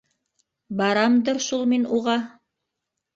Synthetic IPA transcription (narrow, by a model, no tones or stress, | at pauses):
bɑɾɑmd̪ɤ̆ɾʃulˠminuʁɑ